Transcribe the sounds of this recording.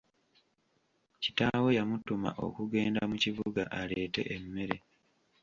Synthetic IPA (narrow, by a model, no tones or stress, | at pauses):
ci̥tawe̞jamutuma̰ʔo̞̰kuɡe̞ːndamuciβuɡaʔale̞ːte̞̰ʔemːe̞ɾe̞